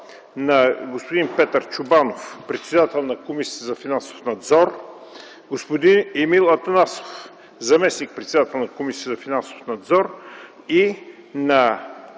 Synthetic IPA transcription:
nɐɡospʊd̪inpɛt̪əɾt͡ʃʊbanofpɾɛt̪sɛd̪at̪ɛlˠnɐkomisi̥ːt̪əzɐfinanso̥fnɐd̪zɔɾ | ɡospod̪inɛmilˠɐt̪ɐnaso̥f | zɐmɛsnik̚pɾɛt̪sɛd̪at̪ɛlˠnɐkomisi̥t̪əzɐfinanso̥fnɐd̪zɔɾ | i | nɐ

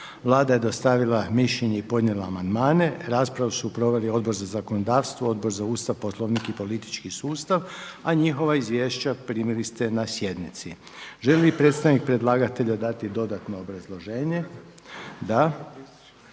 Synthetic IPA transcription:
ʋlˠaːd̪aje̞d̪o̞st̪aʋilˠamiʃʎeɲeipo̞d̪nʲjelˠaːmand̪maːne̞ɾaːspɾaʋusupɾo̞ʋe̞lio̞d̪bo̞ɾzazako̞nod̪aːʋst̪ʋoo̞d̪bo̞ɾzauːst̪aʋposlˠo̞ʋnikipo̞lit̪i̥t͡ʃkisuːst̪aʋaɲixo̞ʋaizʋje̞ːʃt͡ɕapɾiːmilist̪e̞nasje̞d̪nit̪si | ʒelelipɾet̪st̪aʋnik̚pɾe̞d̪lˠaːɡat̪e̞ʎad̪at̪id̪o̞d̪at̪no̞ːbɾazlˠo̞ʒeːɲe̞ | d̪a

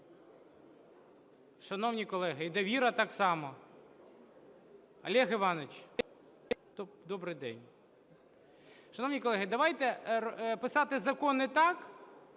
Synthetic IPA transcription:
ʃɐnɔwnʲikɔlˠɛɦɪid̪ɐʋʲiɾɐt̪ɑksɑmɔ | ɐ̰lʲɛɦɪʋɑnɔt͡ʃ | t̪ɔd̪ɔbɾɪjd̪ɛ̰nʲ | ʃɐnɔwnʲijkɔlˠɛɦɪd̪ɐʋɑjt̪ɛpɪsɑt̪ɪzɐkɔnɪt̪ɑk

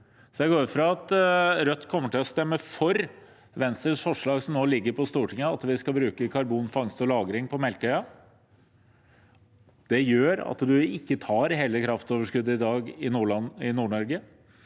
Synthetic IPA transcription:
sɔjɛɡoːɾfɾɑɑt̪ɾœt̪ːkʰɔmːəʈɪlɔst̪ɛmːəfɔɾ | ʋɛnst̪ɾəʂfɔʂɭɑːɡsɔmnoːlɪɡːəɾpʰɔst̪uːʈʰɪŋːəɑt̪ʋɪskɑbɾʉːkəkʰɑɾbuːnfɑŋst̪ɔlɑːɡɾɪŋpʰɔmɛlkœʏɑ | d̪̥ɛjøːɾɑ̰t̪d̪ʉɪkːət̪ʰɑːɾɦeːləkʰɾɑft̪oːʋəʂkʉd̪ːəɪd̪ɑːɡɪnuːɭɑnɪnuːɳɔɾɡə

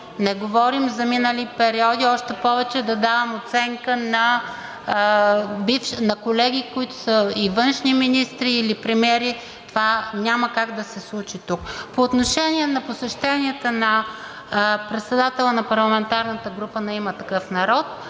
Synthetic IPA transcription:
nɛɡovɔɾimzɐminəlipɛɾiɔd̪iɔʃt̪ɛpɔvɛt͡ʃɛd̪ɐd̪avɐmot̪sɛŋkənɐ | bifʃnɐkolɛɡikʊit̪ʊ̥səivɤnʃniminist̪ɾiːlipɾɛmʲjɛɾi | t̪ovanʲaməkaɡd̪ɐsɛslˠut͡ʃit̪ukpoːt̪noʃɛnʲiɛnɐposɛʃt̪ɛnʲiɛt̪ənɐ | pɾɛt̪sɛd̪at̪ɛlˠənɐpɐɾlˠɐmɛnt̪aɾnət̪əɡɾupənɛimət̪ɐkɤfnɐɾɔt̪̚

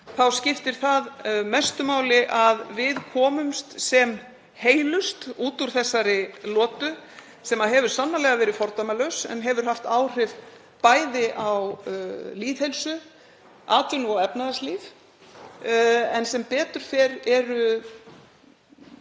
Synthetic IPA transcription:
θawscɪft̪ɪɾ̥θaðmɛst̪ʏmaːwlɪʔaðvɪðkʰɔːmʏmst̪sɛm | heːjlʏst̪uːt̪uɾ̥θɛsːaɾɪlɔːt̪ʏ | sɛmaðɦɛvʏɾ̥sanːalɛɣavɛːɾɪfɔɾt̪amalœwsɛ̰nɦɛvʏɾ̥hɦaft̪aːwr̥ɪv | paːjðɪʔawliːðhejlsʏ | aːt̪ʏnɔɣɛpnaðasliːv | ɛnsɛmpɛːt̪ʏɾ̥fɛɾɛɾʏ

